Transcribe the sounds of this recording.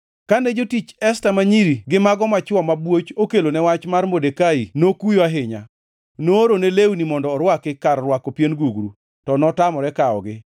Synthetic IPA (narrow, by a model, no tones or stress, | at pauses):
kaned͡ʒotit͡ʃɛstamaɲiɾiɡɪmaɡɔmat͡ʃɔmabwot͡ʃokelonɛwat͡ʃmarmodekainokujoaɦɪɲa̰ | noɾonelewnimɔndɔːɾwakɪkarrwakopjenɡuɡɾṵ | tɔnɔtamɔɾɛkaɔ̰ɡɪ